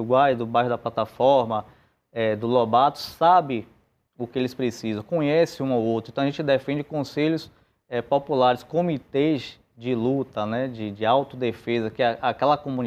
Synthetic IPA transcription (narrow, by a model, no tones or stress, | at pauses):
ɡwajd̪ʊbajɦʊd̪ɐplat̪afɔɾmɐ | ɛd̪ʊlɔbat̪ʊ̥sabɪ̃ | ʊkɪelɪspɾesizɐ̃w̃kõɲɛsɪũawowt̪ɾɐ̃t̪aʒẽnt͡ʃɪd̪ɛfẽd͡ʒɪkõseʎʊs | ɛpopulaɾɪskõmit̪ez | d͡ʒɪlut̪ɐnɛd͡ʒɪd͡ʒɪawt̪ʊd̪efezɐkɪaʔakɛlɐkõmũn